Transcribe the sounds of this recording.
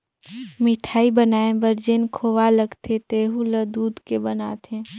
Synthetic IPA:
mɪʈʰaːibənaːẽbəɾd͡ʒenkʰoːʋaləɡt̪ʰet̪eːɦuləd̪uːd̪kebənaːt̪ʰẽ

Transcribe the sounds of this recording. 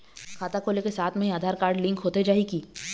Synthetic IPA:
kʰaːt̪akʰoːlekesaːt̪ʰmə̃ɦĩaːd̪ʱaːɾkaːɾɖlɪ̃ŋkɦoːt̪ed͡ʒaːikiː

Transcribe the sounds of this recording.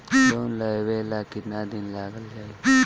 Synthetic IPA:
sonləjʋelakinad̪inlaɡəld͡ʒaːi

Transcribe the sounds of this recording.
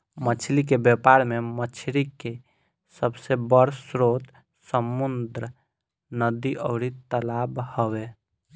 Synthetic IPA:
mət͡ʃʰlikebepaɾmemət͡ʃʰɾike | səbsebəɽsɾot̪ | səmund̪ɾə | nəd̪iʔəʊɾit̪əlabhəβe

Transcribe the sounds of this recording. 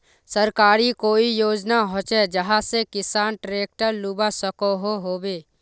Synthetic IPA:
səɾkaːɾikoːijoːd͡ʒnaɦoːt͡ʃɛd͡ʒəɦãsekɪsaːnʈɾeːk̚ʈəɾluːbasəkoɦoɦoːbeː

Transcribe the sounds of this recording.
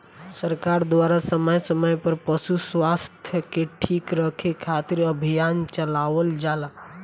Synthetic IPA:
səɾkaːɾd̪waːɾasəməjsəməjpəɾpəʃuswast̪ʰjəkeʈʰiːkɾəkʰekʰat̪iɾəbʱijaːnt͡ʃəlaʋəld͡ʒaːla

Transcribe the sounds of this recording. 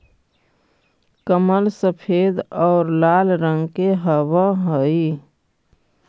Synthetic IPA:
kəməlsəpʰeːd̪ɔːɾlaːlɾə̃ŋɡkeɦəwəɦəi

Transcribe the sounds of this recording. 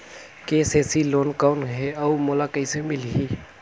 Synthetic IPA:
keːseːsiloːnkaːʊnɦɛaumolakəisemɪlɦiː

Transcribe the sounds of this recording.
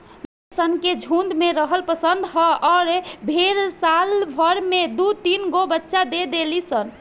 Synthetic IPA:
sənked͡ʒʱund̪meɾəɦəlpəsənd̪ʱɦəɔːɾbʱeɾsalbʱəɾmed̪ut̪inɡobətːʃad̪ed̪elisən

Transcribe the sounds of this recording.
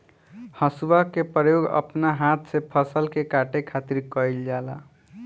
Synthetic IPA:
hʌsuwakepɾəjoɡə̰pnaɦat̪ʰsepʰʌsəlkekaʈekʰat̪iɾkʌjld͡ʒala

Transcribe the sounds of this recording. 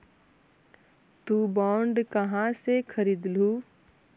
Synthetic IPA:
t̪ubɔːɳɖkɐɦãsekʰəɾiːd̪luː

